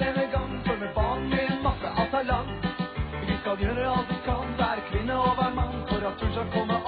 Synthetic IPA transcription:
ɛnəɡɑŋfɔɾmɛbɑːɳmɛɛnmɑsə̰ʔɑ̰lt̪ʰɑlɑn | ʋɪskɑljøːɾəɑlt̪d̪ɪkʰɑnʋæɾkʰʋɪnːəɔʋæmɑnːfɔɾɑt̪̚d̪ʉsɑkʰɔmːəʔ

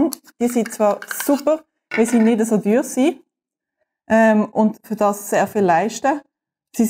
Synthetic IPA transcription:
nd̥iːɐsint͡sv̥ɑːʁsupəʁ | vɛsinɪdəsoːdyːʁsiː | ʔɛmʊntfʏʁdɑːsːeːʁfɪlːaɪʃtə | si

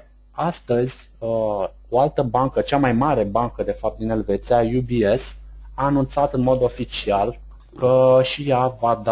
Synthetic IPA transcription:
ast̪əzʲə | o̞alt̪əbaŋkət͡ʃamajmaɾe̞baŋkəd̪e̞fap̚t̪d̪ine̞lve̞t̪siajubiesaːnunt̪sat̪ɨnmo̞d̪o̞fit͡ʃial | kəʃijavad̪

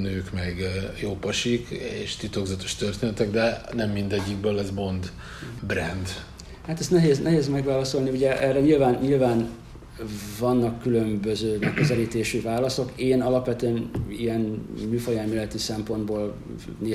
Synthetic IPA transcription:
nøːkmɛɡjoːpɒʃikḛːʃt̪it̪o̞ɡzɒt̪o̞̥ʃt̪ørt̪eːnɛt̪ɛɡd̪ɛnɛmːind̪ɛɟːiɡbøːlɛzbo̞nd̪ | brɛnd̪ | haːt̪ɛst̪nɛɦeːznɛɦeːzmɛɡʋaːlɒso̞lniuɟɛʔɛrɛɲilvaːnɲilvaːn | vɒnːɒkːylø̞mbø̞zøːmɛkːøzɛliːt̪eːʃyvaːlɒso̞keːnɒlɒpʋɛt̪yɛniɛnmyːfɒjɛlmylɛt̪isɛmpo̞nd̪boːl | neː

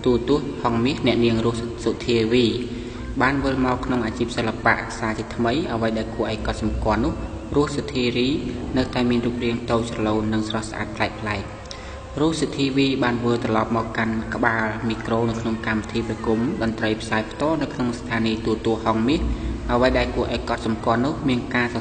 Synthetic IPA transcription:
t̪uət̪ʊ̆əhhɑŋmiəhnɛ̆əʔniəŋrʊ̆əhsot̪ʰiəʋiː | ɓaːnʋɨlmaɔkʰnoŋʔaːt͡ɕiːp̚səlːapa̰ʔsaːt͡ɕʰiːt̪ʰməjʔəʋəjɗaɛlkuəʔaɔjkɑt̪̚sɑmkŏəlnːʊ̆əh | rŭəhsot̪ʰiːriːnɨwt̪aɛmiənruːp̚riəŋt̪oːsrɑloːnːɨŋsrɑhsʔa̰ːt̪̚pʰlaɛk̚pʰlaɛk̚ | rʊ̆əhsɨt̪ʰiːʋiːɓaːnʋɨlt̪rɑlɑp̚maɔkːankə̆ɓaːlmiːkroːnɨwkʰnoŋkamʋit̪ʰiːprakumɗɑnt̪rəjpʰsaːɛpʰt̪ŏəlnɨwkʰnoŋst̪ʰaːniːt̪uət̪uəhhɑŋmiəhʔəʋəjɗaɛlkuəʔaɔjkɑt̪̚sɑmkŏəlnʊ̆əhmiənkaːs

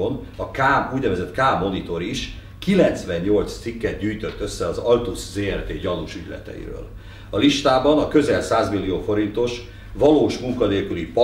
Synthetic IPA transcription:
on | ɒkaːuːɟnɛvɛzɛt̪kaːmo̞nit̪o̞ɾiʃ | kilɛnt̪sʋɛɲːo̞lt̪st̪sikːɛd̪̚ɟyːjt̪øt̪ːø̞sːɛɒzɒlt̪uszeːɛrt̪eːɟɒnuʃyɟlɛ̰t̪ɛ̰jḭɾø̰ːl | ɒliʃt̪aːbɒnɒkø̞zɛlsaːzmilːioːfo̞ɾint̪o̞ʃ | vɒloːʃmuŋkɒneːlkylip

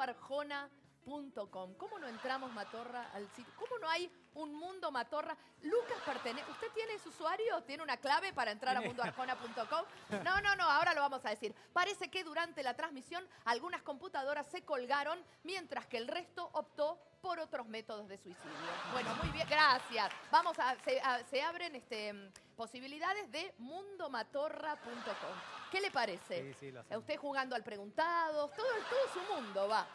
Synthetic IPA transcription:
aɾxona | punt̪oko̞mko̞monoe̞nt̪ɾamo̞zmat̪o̞raa̰lsit̪oko̞mono̞aj | unmũnd̪o̞mat̪o̞ra | lukaspeɾt̪eneʔust̪e̞t̪je̞nesuswaɾjo̞t̪je̞neunaklaβe̞paɾaent̪ɾaɾamũnd̪oaɾxonapunt̪okomnono̞noao̞ɾaloβamo̞saðesiɾ | paɾe̞se̞ke̞ðuɾant̪elat̪ɾãzmisjo̞nalɣunasko̞mput̪að̞o̞ɾasːe̞ko̞lɣaɾo̞n | mje̞nt̪ɾaskeːlre̞st̪o̞ʔop̚t̪o̞ | po̞ɾo̞t̪ɾo̞zme̞t̪o̞ð̞ozð̞eswisiðjobwe̞nomujβjeŋɡɾasjasbamo̞saseʔaseaβɾenest̪empo̞siβ̞iliðaðezðemũnd̪o̞mat̪o̞rapunt̪o̞komke̞le̞paɾeseust̪exuɣand̪oalpɾeɣunt̪aðot̪oðot̪oðosumũnd̪oβa

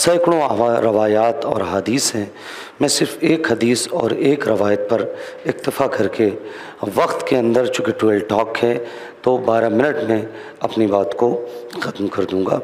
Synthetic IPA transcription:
sɐːɪkɭõɾɐʋaːjaːt̪ɔ̰ːɾɦaːd̪iːsɦɛ̃ː | mɛ̃ːsɪɾfeːkɦɐd̪iːsɔ̰ːɾeːkɾɐʋaːjət̪̚pɐɾ | ɪxt̪ɪfakɐɾke | ʋɐqt̪keɐ̃nd̪əɾt͡ʃʊkɪʈuəlʈɔːkɦɛ | t̪obaːɾamɪ̃nəʈmẽ | ɐpnibaːt̪koxɐt̪mkɐɾd̪ũːŋɡa̰ː

